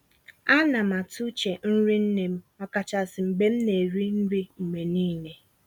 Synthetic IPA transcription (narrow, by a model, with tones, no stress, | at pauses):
a˦na˨ma˨tu˦t͡ʃe˨n̩˦ɾi˦n̩˦ne˨m̩˦ɔ˨ka˨t͡ʃa˨sɪ˨m̩˨ɡ͡be˦m̩˦ne˨ɾi˦n̩˦ɾi˦m̩˨me˨niː˦ne˨